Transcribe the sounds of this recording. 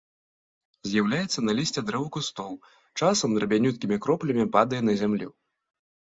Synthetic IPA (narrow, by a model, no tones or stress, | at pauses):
zʲjawlʲajɛt̪sːɐnɐlʲisʲt͡sʲɛd̪ɾɛvukust̪ɔlˠ | t͡ʂasɐmd̪ɾɐbʲanʲut̪̚kʲimʲikɾɔplʲɐmʲipad̪ɐjɛnɐzʲamlʲḭ